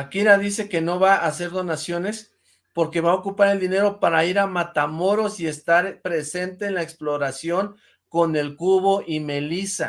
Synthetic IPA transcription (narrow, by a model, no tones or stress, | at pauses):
akiɾaðise̞ke̞no̞βaʔase̞ɾðo̞nasjo̞ne̞s | po̞ɾke̞βaokupaɾeld̪ine̞ɾo̞paɾaiɾamat̪amo̞ɾo̞sie̞st̪aɾpɾe̞se̞nt̪e̞ːnlaeksplo̞ɾasjo̞ŋ | ko̞ne̞lkuβo̞ʔime̞lisa̰